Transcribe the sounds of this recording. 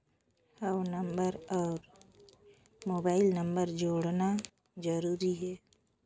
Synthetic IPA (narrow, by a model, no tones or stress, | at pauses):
haʊnəmbəɾɔːɾ | moːbaːɪlnə̃mbəɾd͡ʒoːɽna | d͡ʒəɾuːɾiɦɛː